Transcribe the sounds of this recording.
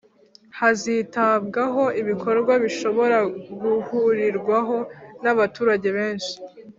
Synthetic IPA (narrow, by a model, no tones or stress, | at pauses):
hazitaβɡaɦo̞iβikʰo̞ɾɡwaβiʃo̞βo̞ɾaɡuhuɾiɾɡwaɦo̞naβatuːɾaɟe̞βe̞ːnʃi̥